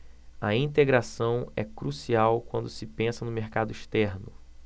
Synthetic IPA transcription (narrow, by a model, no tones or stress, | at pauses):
ɐĩnt̪eɡɾasɐ̃w̃ɛ̰kɾusiawkwɐ̃nd̪ʊsɪpẽsɐnʊmeɾkad̪ʊiʃt̪ɛɾnʊ